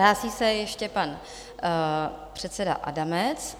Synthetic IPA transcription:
aːsiːsɛjɛʃcɛpan | pr̝̥ɛt̪sɛda̰ʔa̰damɛt͡s

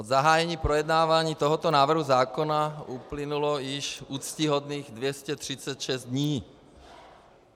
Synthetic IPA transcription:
od̪zaɦaːjɛɲiːpɾɔjɛd̪naːʋaɲiːt̪ɔɦɔt̪ɔnaːvr̩ɦuzaːkɔnauplinulɔjiʃuːt͡sciɦɔd̪niːɣd̪ʋjɛscɛt̪r̥it͡sɛcʃɛzd̪d̪ɲiː

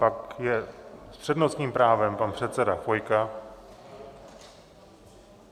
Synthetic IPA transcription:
pakjɛspr̝̥ɛdnost̪ɲiːmpɾaːvɛmpanpr̝̥ɛt̪sɛdafo̞jka

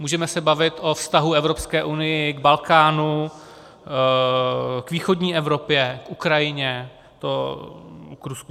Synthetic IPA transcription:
muːʒɛmɛsɛbavɪt̪ʔo̞fst̪aɦuɛvɾo̞pskɛːʔunɪjɪɡbalkaːnu | kviːxo̞dɲiːʔɛvɾo̞pjɛkʔukɾajɪɲɛ | t̪o | kɾusku

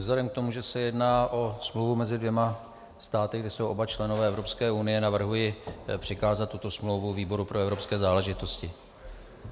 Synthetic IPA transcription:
vzladɛmk̚t̪o̞muʒɛsɛjɛdnaːʔo̞smlowvumɛzɪdvjɛma | st̪aːt̪ɪɡdɪsowʔo̞bat͡ʃlɛnovɛːʔɛvɾo̞pskɛːʔunɪjɛnavr̩ɦujɪpr̥ɪkaːzat̪ːut̪o̞smlowvuviːbo̞ɾupɾo̞ɛvɾo̞pskɛːzaːlɛʒɪt̪o̞scɪ

